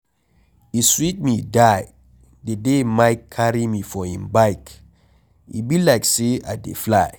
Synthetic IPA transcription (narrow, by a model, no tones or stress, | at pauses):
iswit̚midaj | dedemajkʰːaɹimifɔhĩmbaɪk | ḭbilajksea̰dḛflaɪ